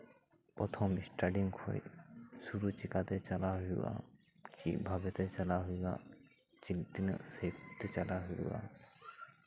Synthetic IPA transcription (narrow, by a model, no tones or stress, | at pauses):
pɔt̪ʰɔmisʈaɖiŋɡkʰo̰jsuɾut͡ʃikat̪ɛt͡ʃalaɦṵa̰ | t͡ʃḭbʱabɛt̪ɛt͡ʃalaɦuɡa̰ | t͡ʃilt̪inə̰sept̪et͡ʃalaɦujṵa̰